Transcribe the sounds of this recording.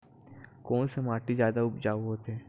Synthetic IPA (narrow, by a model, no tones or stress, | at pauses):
koːnsemaːʈizjaːd̪aʊpd͡ʒaːɦoːt̪ɛː